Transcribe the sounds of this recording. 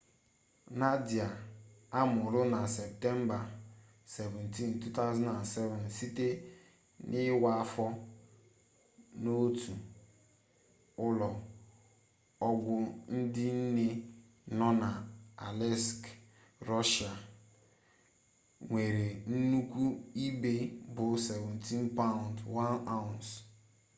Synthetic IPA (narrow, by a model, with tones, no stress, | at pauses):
na˦di˨a˨a˦mʊ˨ɾʊ˦na˨se˨p̚te˦m̩˦ba˨ | se˨vɛ̃˨nti˦n˨tu˦ta˦zɔ˦na˨nsɛ˦vɔ˨nsi˦te˦ | nʔɪ˦wa˦fɔ˦ | no˦tu˨ | ʊ˦lɔ˨ | ɔ˦ɡʷʊ˦n̩˦dɪ˦n̩˦ne˦ | nɔ˦na˨a˨lɛ˦sk | ɾɔ˦ʃa˨ | ŋʷe˨ɾe˨n̩˦nu˦kʷu˦i˦be˦bʊ˨se˨vɛ̃˨n̩tĩ˦npa˦ʊ˨ndwa˦nã˦˨ns